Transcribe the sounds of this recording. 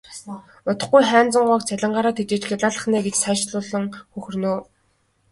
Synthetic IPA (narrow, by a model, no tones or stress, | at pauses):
ʊt̪ə̆χɡujχæːnt͡sə̆ɴɢʊːkt͡sʰæɮʲɪ̆ɴɢaːɾaːt̪ʰet͡ɕeːt͡ɕxeɮaːɮə̆χnæːɡet͡ɕsaʃɮʊːɮə̆ŋxɵxɵ̆rnoː